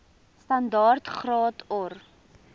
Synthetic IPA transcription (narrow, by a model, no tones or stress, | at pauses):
stɐndɑːrtχrɑːtʰɔr